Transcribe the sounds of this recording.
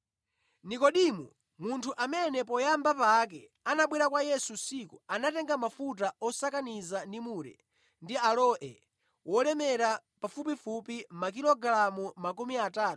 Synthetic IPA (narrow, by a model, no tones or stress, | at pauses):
nikɔɗimṵ | muntʰuʔamɛnɛpɔjambapak̬ɛ | anaɓwɛɾakwajɛsusikuanatɛŋɡamafut̬aɔsakanizandimuɾɛ̰ | ndialɔʔɛ̰ | wɔlɛmɛɾapafup̬ifupimak̬ilɔɡɾamumakumiataːtu̥